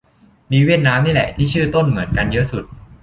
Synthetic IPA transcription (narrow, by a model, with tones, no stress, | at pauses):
miː˧wi˥˩t̪̚naː˦˥mːniː˥˩lɛ̰˨˩t̪ʰiː˥˩t͡ɕʰɯː˥˩t̪o˥˩nmɯ˩˦ənka˧njɤ˦˥ʔsu˨˩t̪̚